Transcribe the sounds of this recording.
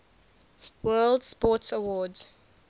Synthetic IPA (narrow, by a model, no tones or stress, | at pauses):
wɜːldspɔˑtəwɔːd